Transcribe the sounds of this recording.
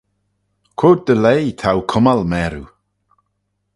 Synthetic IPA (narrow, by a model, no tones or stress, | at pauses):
kʰoːd̚dəlejt̪ʰawkʰʊmalmɛːɾu